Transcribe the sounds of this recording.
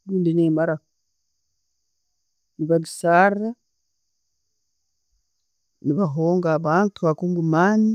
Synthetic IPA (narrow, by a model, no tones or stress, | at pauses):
luːndineːmaɾa | niβaɡisaːrra | niβaɦoːŋɡaβaːntuhakuːŋɡumaːni